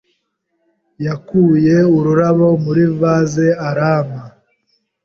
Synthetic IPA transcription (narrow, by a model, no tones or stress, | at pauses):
jakuːjeuɾuɾaβo̞muɾivazeaɾaːma